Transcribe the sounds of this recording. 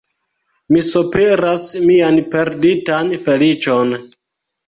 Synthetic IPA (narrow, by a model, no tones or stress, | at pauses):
misopeɾasmianpe̞ɾditanfe̞lit͡ʃo̞n